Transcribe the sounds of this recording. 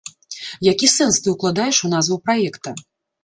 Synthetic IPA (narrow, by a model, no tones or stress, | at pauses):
jakʲisɛnst̪ɨuklˠad̪ajɛʂunazvɐwpɾajɛkt̪ɐ